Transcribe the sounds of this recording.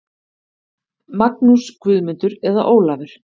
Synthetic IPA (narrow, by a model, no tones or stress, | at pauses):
maknuskʰvʏːðmʏnt̪ʏɾɛðaʔoːwlavɪɾ̥